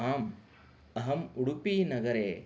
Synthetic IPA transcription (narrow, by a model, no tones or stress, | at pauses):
aːm | ɐɦɐmuɽupiːnɐɡɐɾeː